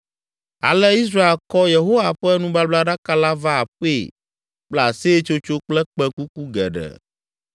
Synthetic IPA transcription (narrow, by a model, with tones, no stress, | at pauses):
a̰˨lɛ˦i˦s̬ɾa˦e˦lkɔ˦je˨ɦo˦wa˨ɸɛ˦nũ˦ba˦bla˦ɖa˦ka˦la˦va˦a˨ɸe˦˨ | k͡plɛ˦a˨se˦t͡ʃo˦t͡ʃo˦k͡plɛ˦k͡pɛ̃˦ku˦ku˦ɡɛ̰˨ɖɛ̰˨